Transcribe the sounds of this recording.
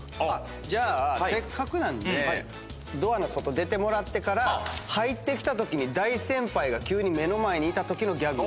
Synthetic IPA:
a | d͡ʑaːsekːakɯ̟nãnd̪e | d̪o̞anoso̞t̪o̞d̪e̞t̪e̞mo̞ɾat̪ːe̞kaɾahait̪ːe̞kʲi̥t̪at̪o̞kʲiɲ̟id̪aisẽ̞mpaiɡakʲɨːɲ̟ime̞no̞mae̞ɲ̟iːt̪at̪o̞kʲino̞ɡʲaɡɯ

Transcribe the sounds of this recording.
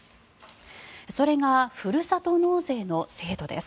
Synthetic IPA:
so̞ɾe̞ɡaɸɯɾɯ̟sat̪o̞no̞ːze̞ːno̞se̞ːd̪o̞d̪e̞̰sɨ̥

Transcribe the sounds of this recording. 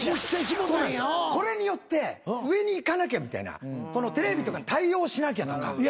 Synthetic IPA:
o̥t̪eɕʲimõonãnko̞ɾe̞ɲ̟ijo̞t̪ːe̞ɯ̟e̞ɲ̟iːkanak̬ʲamʲit̪a̰ḭna̰ko̞no̞t̪e̞ɾe̞bʲit̪o̞kaɲit̪aio̞ːɕinak̬ʲat̪o̞ka̰

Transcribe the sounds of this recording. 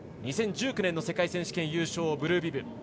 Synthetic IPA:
ɲ̟isẽ̞ɲ̟d͡ʑɨːkɯ̟nẽ̞nːose̞kaisẽɕi̥kẽ̞ɰ̃jɯ̟ːɕo̞ːbɯ̟ɾɯ̟ːbʲibɯ̟

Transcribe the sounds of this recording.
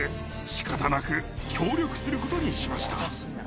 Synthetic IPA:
e | ɕi̥kat̪anakɯ̟kʲʰo̞ːɾʲo̞kɯ̟̥sɨɾɯ̟ko̞t̪o̞ɲ̟iɕimaɕi̥t̪a

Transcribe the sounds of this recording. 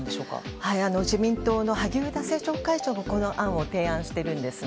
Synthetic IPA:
nd̪eɕoːka̰haiano̞ʑimʲĩnt̪o̞ːno̞haɡʲiɯd̪ase̞ːt͡ɕoːkait͡ɕoːmoko̞no̞ʔãɰ̃o̞t̪e̞ːãɰ̃ɕi̥t̪e̞ɾɯ̟̃nd̪e̞sɨ

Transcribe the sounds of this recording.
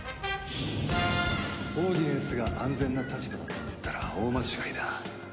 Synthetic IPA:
oːd̪ʲiẽsɨɡaʔãnd͡zẽ̞nːat̪at͡ɕi̥d̪e̞mot̪ekɯt̪ːaɾa̰oːmat͡ɕi̥kaid̪a

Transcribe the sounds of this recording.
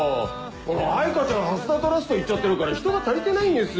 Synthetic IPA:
konoaikat͡ɕãɦasɨd̪at̪oɾaɕi̥t̪eit͡ɕːat̪ːe̞ɾɯ̟kaɾaçi̥t̪o̞ɡat̪aɾʲit̪e̞naĩnd̪esɨ

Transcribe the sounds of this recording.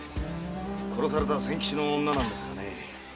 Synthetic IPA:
kʰo̞ɾo̞saɾe̞t̪asẽ̞ŋkʲi̥ɕino̞ːnːanãnd̪e̞sɨ̥kane

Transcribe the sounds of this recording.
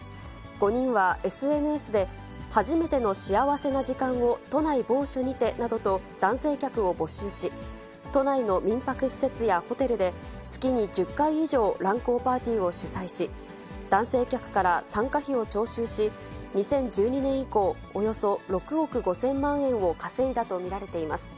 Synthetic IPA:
ɡ̥o̞ɲ̟ĩɰ̃βae̞sɨe̞nɯe̞sɨd̪e̞ | haʑime̞t̪e̞no̞ɕiaβase̞naʑikãɰ̃o̞t̪o̞naibo̞ːɕoɲ̟it̪e̞nad̪o̞t̪o̞ | d̪̥ãɰ̃se̞ːkʲakɯ̟o̞bo̞ɕɨːɕi | t̪o̞naino̞mʲĩmpakɯ̟ɕi̥se̞t͡sɨjaho̞t̪e̞ɾɯ̟d̪e̞ | t͡sɨ̥kʲiɲ̟id͡ʑɨkːaiːʑo̞ːɾãŋko̞ːpaːt̪ʲiːo̞ɕɨsaiɕi | d̪̥ãɰ̃se̞ːkʲakɯ̟̥kaɾasãŋkaçio̞t͡ɕo̞ːɕɨːɕi | ɲ̟isẽ̞ɲ̟d͡ʑɨːɲ̟inẽ̞ɰ̃iko̞ːjo̞so̞ɾo̞kɯ̟o̞kɯ̟ɡo̞sẽ̞mːãɰ̃ẽ̞ɰ̃o̞kase̞id̪at̪o̞mʲiɾaɾe̞t̪e̞imasɨ̥

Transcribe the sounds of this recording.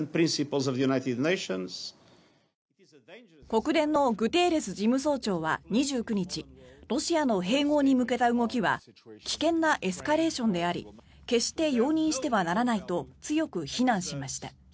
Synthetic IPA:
npɾĩnsipəlˠzɔvðjunajt̪ɪd̪nejʃə̃nz̥ | ko̞kɯ̟d̪ẽ̞nːo̞ɡɯ̟t̪e̞ːɾe̞sɨʑimɯ̟s̬o̞ːt͡ɕo̞ːβa̰ɲ̟iʑɨːkɯ̟ɲ̟it͡ɕiɾo̞ɕiano̞ɦe̞ːŋo̞ːɲ̟imɯ̟ke̞t̪aɯŋo̞kʲiβa̰kʲi̥kẽ̞nːaʔe̞sɨ̥kaɾe̞ːɕõ̞nd̪e̞aɾʲḭ | ke̞ɕi̥t̪e̞jo̞ːɲ̟ĩɰ̃ɕi̥t̪e̞βanaɾanait̪o̞t͡sɨjo̞kɯ̟çinãɰ̃ɕimaɕi̥t̪a

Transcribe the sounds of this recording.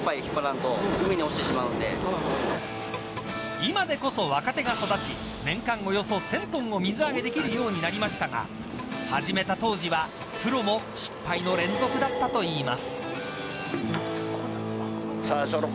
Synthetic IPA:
pːaikʲipːaɾãnt̪oɯmʲiɲ̟ioɕi̥t̪e̞ɕimaɯnd̪e̞̰ | imad̪e̞ko̞so̞βakat̪e̞ɡaso̞d̪at͡ɕi | nẽ̞ŋkãŋo̞jo̞so̞sẽ̞nt̪õ̞ŋ̃o̞mʲizɨaɡe̞d̪e̞kʲiɾɯ̟jo̞ːɲ̟inaɾʲimaɕi̥t̪aŋa̰ | haʑime̞t̪at̪o̞ːʑiβa | kɯ̟ɾo̞mo̞ɕi̥pːaino̞ɾẽ̞nd͡zo̞kɯ̟d̪at̪ːat̪o̞iːmasɨ̥ | saɕo

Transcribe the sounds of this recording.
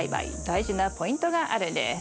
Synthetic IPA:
iba̰ḭd̪̥aiʑinapo̞ĩnt̪o̞ɡaʔaɾɯ̟̃nd̪e

